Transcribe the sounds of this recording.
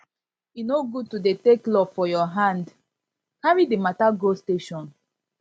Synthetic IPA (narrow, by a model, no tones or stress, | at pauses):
inoɡud̚tudeteklɔfɔjɔɦãnd | kaɹidemataɡosteʃɔ̃n